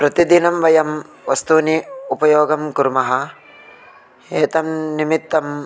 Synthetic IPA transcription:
pɾɐt̪id̪inɐmʋɐjɐm | ʋɐst̪uːniupɐjoːɡɐmkuɾmɐɦɐ | eːt̪ɐmnimit̪ːɐm

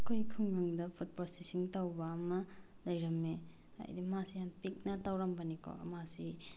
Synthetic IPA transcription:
ɐkʰojkʰɯmːaŋdɐpʰut̚pɾosesiŋtawbɐːmɐ | lɐjɾɐme | a̰jdimasijanpik̚nɐtawɾɐmbɐnikʰo̰ɐmasi

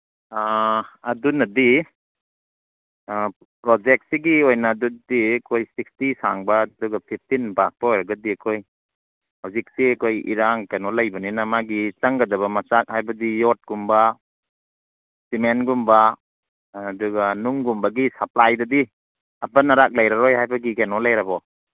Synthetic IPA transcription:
aɐdunɐdi | pɾod͡ʒek̚t̚siɡiojnaːdudikʰojsik̚stisaŋbɐduɡapʰip̚ʰtinbak̚b̥aojɾɐɡɐdiɐkʰoj | hawzik̚siɐkʰojḭɾaŋkenɔlajbɐninɐmaɡit͡ʃaŋɡɐdɐβɐmɐt͡ʃak̚hajbɐdijɔt̚ɡ̥umba | simenɡumbɐː | duɡanuŋɡumbɐɡisap̚lajdɐdi | ɐpɐnɐɾak̚lajɾaɾɔjɦajbɐɡikenɔlajɾabɔ

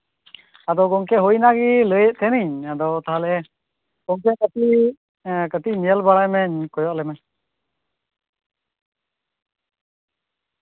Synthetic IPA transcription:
ad̪ɔɡɔŋkɛɦujnaɡiləjəʔt̪ʰɛniɲad̪ɔt̪aɦalɛ | ɡ̥ɔŋkɛkət̪i | kət̪iʔnɛjəlbaɽajmɛɲkɔjɔʔlɛmɛ

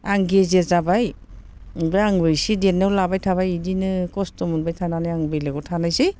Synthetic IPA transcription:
aŋɡezezabaj | bɯaŋbɯjsidenːewlabajtʰaβajidinɯkɔstɔmunbajtʰananajaŋbɯjleɡɔtʰanajsi

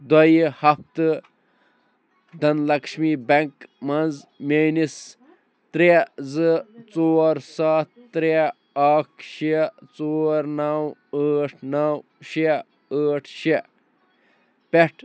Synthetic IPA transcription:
d̪ɐjhɐpt̪ɨ | d̪ʱɐnlɐkʃmibɐŋkmɐnzmeːnis | t̪ɾezɨt͡soːɾsaːt̪̚ːɾe | akʰʃit͡soːɾnɐwəːʈʰnɐw | ʃe | əːʈʰʃe | peʈʰ

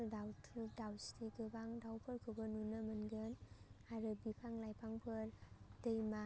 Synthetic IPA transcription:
dawtʰuk̚dawstiɡɯbaŋdawpʰɯɾkʰubɯnunɯmɯnɡɯnaɾɯbipʰaŋlajpʰaŋpʰɯɾdɯjma

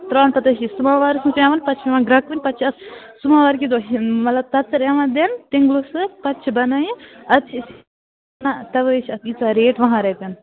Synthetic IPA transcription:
t̪ɾaːnpɐt̪ɐʃisumaːʋaːɾɨsũpãːʋɐnpɐt͡ʃʰiʋãɡɾɐkʋinʲpɐt͡ʃʰɐs | sumaːʋaːɾkʲid̪oɦmɐlɐb̚t̪ɐt̪ːɾeːʋãːd̪ent̪iŋɡlosɨpɐtːt͡ʃʰbɐnaːjĩɐt̪t͡ʃʰːs | nat̪ɐʋət͡ʃʰɐt̪it͡saːɾeːʈʋɐ̃ɦãːɾeːk̪ɐn

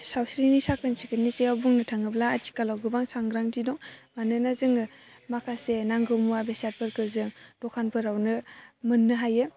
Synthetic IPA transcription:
sawsɾinisakʰɯnsikʰɯniseawbuŋnɯtʰaŋɯblaːt͡ʃʰi̥kalawɡɯbaŋsaŋɡɾaŋtʰidɔŋmanɯnazɯŋɯ | makʰasenaŋɡɯmuwabesat̚pʰɯɾkʰɯzɯŋd̥ɔkʰanpʰɯɾawnɯmɯnːɯɦajɯ

